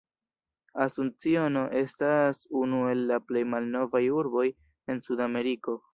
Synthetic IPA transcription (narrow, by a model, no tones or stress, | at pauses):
asunt͡sio̞no̞ʔe̞stasunue̞lːaple̞jmalno̞vajuɾbo̞j | e̞nsudame̞ɾiko̞